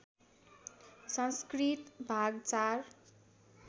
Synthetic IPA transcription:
sʌ̃nskrit̪bʱaɡt͡sar

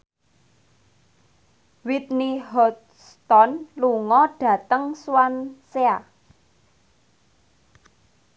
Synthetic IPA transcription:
wit̪̚niɦɔt̪ | st̪ɔnluŋɔɖ̥ä̤t̪əŋswansea

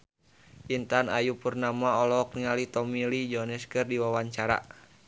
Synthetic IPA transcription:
ʔint̪anajupurnamaɔlɔk̚niŋalit̪ɔmilid͡ʒɔnɛskɨrdiwawaɲt͡ʃaɾa̰

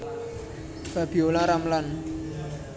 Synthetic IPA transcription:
b̥abiolãɾamlan

